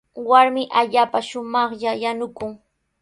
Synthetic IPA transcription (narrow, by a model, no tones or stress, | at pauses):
waɾmɪʔaʎaːpaʃʊmɑχʎajanʊkʊŋ